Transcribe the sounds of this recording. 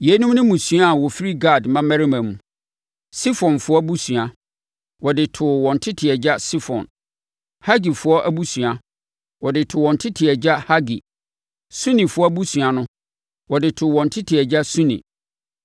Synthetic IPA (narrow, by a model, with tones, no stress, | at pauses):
je˨˦nũ˦mnʊ̃˦mũ˨sɥa˦˨wɔ˨fi˦ɾi˦ɡa˦˨dmã˦mɛ˦ɾi˦mã˨mũ˨ | si˦fɔ̃˨nfʊ˦ɔ˦bu˦su˨a˨ | wɔ˨dɪ˨tʰʊ˨wɔ̃˨n˨tʰɪ˦tʰɪ˨ɛ˨d͡ʑa˦si˦fɔ̰̃˨n | ha˦ɡi˨fʊ˨˦ɔ˦ʔæ˦bu˦su˨a˨ | wɔ˨dɪ˨tʰʊ˨wɔ̃˨ntʰɪ˦tʰɪ˨ɛ˨d͡ʑa˦ha˦ɡi˨ | sũ˦nĩ˨fʊ˦ɔ˦bu˦su˨a˨nʊ̃˦ | wɔ˨dɪ˨tʰʊ˨wɔ̃˨n̩˨tʰɪ˦tʰɪ˨ɛ˨d͡ʑa˦sũ˦nḭ̃˨